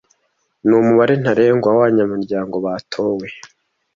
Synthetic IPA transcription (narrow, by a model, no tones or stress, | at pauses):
nuːmuβaɾen̥haɾe̞ːŋɡwawaɲamuɾɟaːŋɡo̞βatʰo̞ːwe̞